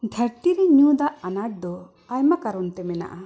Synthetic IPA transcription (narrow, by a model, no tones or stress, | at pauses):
ɖʱɛɾʈ̪iɾɛɲud̪aʔanaʈ̚d̪ɔ | ajmakaɾɔnt̪ɛmɛna̰ʔa